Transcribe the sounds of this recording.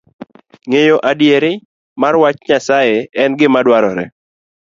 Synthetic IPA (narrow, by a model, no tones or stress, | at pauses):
ŋejoʔadjeɾɪ | marwat͡ʃɲasajeɛnɡɪmadwaɾɔɾɛ̰